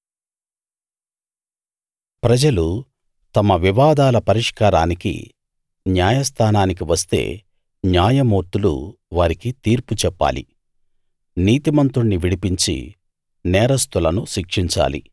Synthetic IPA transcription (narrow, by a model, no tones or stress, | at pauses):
pɾɐd͡ʒɐlu | t̪ɐmɐʋiʋaːd̪aːlɐpɐɾiʂkaːɾaːnikḭ | njaːjɐst̪ʰaːnaːnik̬iʋɐst̪e̞̰ː | njaːjɐmoːɾt̪ulṵ | ʋaːɾikit̪iːɾput͡ʃɛpːa̰ːlḭ | niːt̪imɐnt̪uɳːiʋiɽipiɲt͡ʃḭ | nɛːɾɐst̪ulɐnuʃikʂiɲt͡ʃa̰ːlḭ